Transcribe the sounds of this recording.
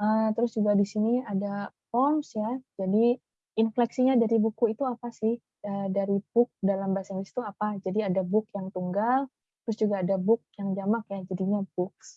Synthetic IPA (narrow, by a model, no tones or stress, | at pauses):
ʔət̪əɾʊsd͡ʒuɡadisiniadapɔmsjad͡ʒadi | ɪnflɛksiɲadaɾibukuit̪uapasɪh | ədaɾib̥ʊk̚dalambasaŋbisi̥t̪uapad͡ʒadiadabʊk̚jaŋt̪uŋɡal | t̪əɾʊsd͡ʒuɡaːdabʊk̚jaŋd͡ʒamak̚jad͡ʒadiɲabʊks